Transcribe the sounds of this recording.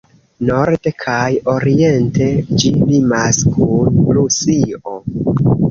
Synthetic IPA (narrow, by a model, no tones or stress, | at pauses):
no̞ɾdekʰajo̞ɾie̞nte̞d͡ʒilimaskʰunplusio̞